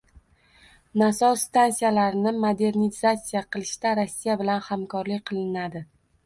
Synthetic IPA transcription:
nasɒst̪ansijalaɾɪnɪmod̪e̞ɾnizat̪sijaqʰɨlˠɪʃt̪aɾɒsːijabɪlanhamkʰɒɾlɪk̚ʲqʰɨlˠɪnad̪ɪ

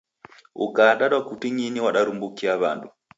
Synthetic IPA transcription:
ṵkaɗaɗwakutiɲiniwaɗaɾumbukiaβandu

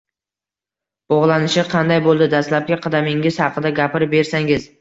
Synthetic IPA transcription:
b̥ɒʁlˠanɪʃɪqʰɑnd̪ajbolˠd̪ɪd̪aslap̚kʲaqʰɑd̪amɪŋɪz̥hɑqɨd̪aɡʲapɪɾɪp̚be̞ɾsaŋɪz

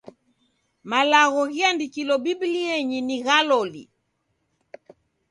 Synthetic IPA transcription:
malaɣɔɣiandikilɔbibiliɛɲiniɣalɔlḭ

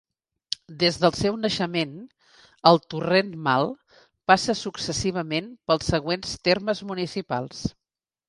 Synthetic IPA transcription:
d̪ezðəlˠsɛwnəʃəmen | əlˠt̪urenmalˠ | pasəsuksəsiβ̞əmenpəlˠsːəɣ̞wenst̪erməzmunisipa̰lˠs

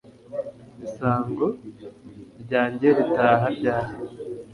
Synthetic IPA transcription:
misaːŋɡo | ɾɟaːɲɟeɾitaːɦaɾɟaːɾi

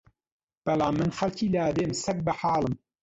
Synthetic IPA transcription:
b̥ɐlaːmːɨnxɐlcʰiːlaːd̪emsɐk̚bɐħaːlˠɨm

